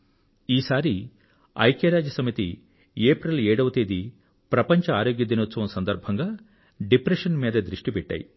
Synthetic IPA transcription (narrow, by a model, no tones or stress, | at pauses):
iːsaːɾi | ɐ̰jkeɾaːd͡ʒɐsɐmit̪ḭ | eːpɾɐleːɽɐʋɐt̪eːd̪i | pɾɐpɐɲt͡ʃɐaːɾoːɡjɐd̪inot̪ːsɐʋɐmsɐnd̪ɐɾbʱɐŋɡaː | ɖipɾeʂɐnmiːd̪ɐd̪ɾiʂʈipɛʈːa̰ːjḭ